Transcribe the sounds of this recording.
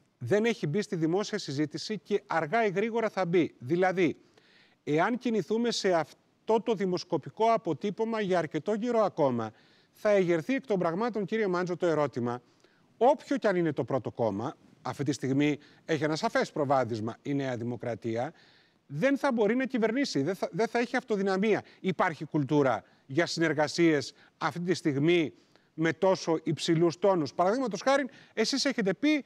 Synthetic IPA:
ðe̞ne̞çibist̪iðimo̞siɐsizit̪isice̞ʔɐɾɣɐiɣɾiɣo̞ɾɐθɐbiðilɐði | eɐnciniθume̞se̞ɐf | t̪o̞t̪o̞ðimo̞sko̞piko̞ɐpo̞t̪ipo̞mɐʝɐːɾce̞t̪o̞ʝiɾo̞ɐko̞mɐ | θɐe̞ʝe̞ɾθie̞kt̪o̞mbɾɐɣmɐt̪o̞ŋciɾio̞mɐnzot̪o̞e̞ɾo̞t̪imɐ | o̞pço̞cɐnine̞t̪o̞pɾo̞t̪o̞ko̞mɐː | ft̪it̪ist̪iɣmi | e̞çienɐsɐfe̞spɾo̞vɐθizmɐine̞ɐðimo̞kɾɐt̪iɐ | ðe̞nθɐbo̞ɾinɐcive̞ɾnisiðeðeθɐeçiɐft̪o̞ðinɐmiɐ | ipɐɾçikult̪uɾɐ | ʝɐsine̞ɾɣɐsie̞s | ɐft̪it̪ist̪iɣmi | me̞t̪o̞so̞ʔipsilust̪o̞nuspɐɾɐðiɣmɐt̪o̞sxɐɾin | e̞sise̞çe̞t̪̬e̞pi

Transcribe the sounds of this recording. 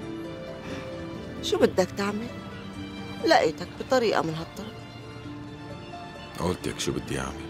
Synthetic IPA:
ʃuːbɪd̪ːakt̪aʕmal | laʔiːt̪akbɨt̪ˤɑɾiːʔa̰mɪnɦat̪ˤːɑɾˤf | ʔa̰walt̪ḛkʃuːbɪd̪ːiʔa̰ʕmal

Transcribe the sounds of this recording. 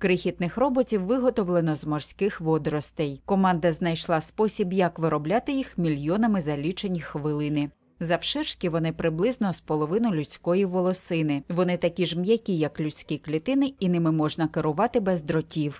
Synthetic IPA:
kɾɪxʲit̪nɪxrɔbɔtʲiwːɪɦɔt̪ɔwlˠenɔzmɔrsʲkɪxʋɔd̪ɾɔst̪ɛjkɔmɑnd̪ɐznɐjʃlˠɑspɔsʲibjɐkʋɪɾɔblʲat̪ɪjixmʲilʲjɔnɐmɪzɐlʲit͡ʃenʲixʋɪlˠɪnɪ | zɐwʃɪrʃkʲiʋɔnɪpɾɪblˠɪznɔspɔlˠɔʋɪnʊjlʲʊt͡sʲkɔjiʋɔlˠɔsɪnɪʋɔnɪt̪ɐkʲiʒmjɐkʲijɐklʲʊt͡sʲkʲiklʲit̪ɪnɪinɪmɪmɔʒnɐkeɾʊʋɑt̪ɪbɛzd̪ɾɔtʲiw

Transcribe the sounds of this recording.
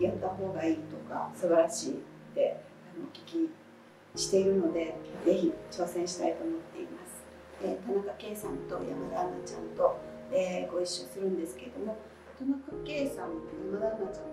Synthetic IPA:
jat̪ːaɦo̞ːɡaiːt̪o̞ka̰sɨbaɾaɕḭː | t̪e̞ | ano̞kʲi̥kʲi | ɕi̥t̪e̞iɾɯ̟no̞d̪e̞ze̞çit͡ɕo̞ːsẽ̞ɰ̃ɕi̥t̪ait̪o̞ːmo̞t̪ːe̞imasɨ̥ | et̪anakake̞ːsãnt̪o̞ja̰mad̪anat͡ɕã̰nt̪o̞eɡo̞iɕːo̞sɨɾɯ̟̃nd̪e̞sɨ̥ke̞ɾed̪o̞mo̞ | t̪anakake̞ːsãnjamad̪anat͡ɕãn

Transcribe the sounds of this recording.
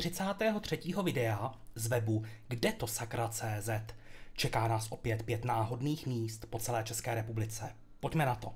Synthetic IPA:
rɪt͡saːt̪ɛːɦo̞t̪r̝̥ɛciːɦo̞vɪdɛazvɛbuɡdɛt̪o̞sakɾʔat͡sɛːzɛt̪t͡ʃɛkaːnaːsʔo̞pjɛt̪pjɛt̪naːɦo̞dniːxmiːst̪po̞t͡sɛlɛːt͡ʃɛskɛːɾɛpublɪt͡sɛ | pocmɛnat̪o̞̰

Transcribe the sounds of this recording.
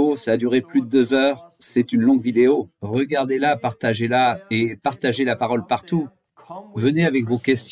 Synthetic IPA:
osaːd̪yʁeplyd̪əd̪øzœːʁsɛt̪ynlɔ̃ɡvid̪eoʁəɡaʁd̪elapaʁt̪aʒelaepaʁt̪aʒelapaʁɔlpaʁt̪u | vəneavɛkvokʲɛst̪

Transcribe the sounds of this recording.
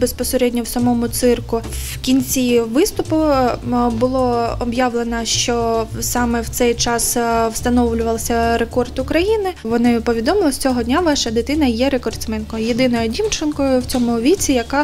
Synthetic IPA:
bespɔseɾɛdʲnʲɔwsɐmɔmʊt̪sɪrkʊw | kʲinʲt͡sʲiʋɪst̪ʊpʊ | bʊlˠɔɔbjɑʋlˠenɐʃt͡ʃɔsɑmɛwt̪sɛjt͡ʃɑswst̪ɐnɔʋlʲʊʋɐlˠsʲɐɾekɔrt̪ʊkɾɐjinɪʋɔnɪpɔʋʲid̪ɔmɪlˠɔsʲt͡sʲɔɦɔd̪ʲnʲaʋɑʃɐd̪ɪt̪ɪn̪ɐjɛɾekɔrt̪sʲmɪnkɔjʊjed̪ɪnɔjʊdʲimt͡ʃɪnkɔjʊwt͡sʲɔmʊʋʲit͡sʲijɐkɑ

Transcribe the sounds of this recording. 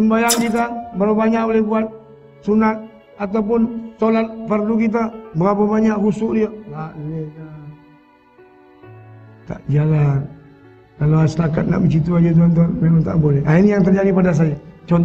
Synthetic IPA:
səmbajaŋkit̪̬abaɾabaɲak̚bolɛhbuat̪̚ | sunat̪̚ | at̪awp̬ʊnsolat̪̚pərlukit̪̬abəɾapabaɲaʔɡusʊʔdiəlaʔdiɛa | t̪a̰ʔd͡ʒalan | kaloasətakat̪̚na̰ʔbət͡ʃit̪̬uad͡ʒut̪̬uant̪uanmemaŋt̪a̰ʔbolɛhainijaŋt̪ərd͡ʒadipadas̬ajat͡ʃɔnt

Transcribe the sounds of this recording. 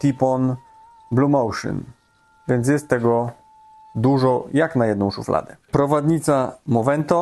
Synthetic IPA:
t̪ʲipɔn | blumɔwʂɨ̰n | vʲjɛnt̪s̬ʲjɛst̪ːɛɡɔ | d̪uʐɔjaknajɛd̪nɔ̃w̃ʂufla̰d̪ɛpɾɔvad̪ɲit̪samɔvɛnt̪ɔ

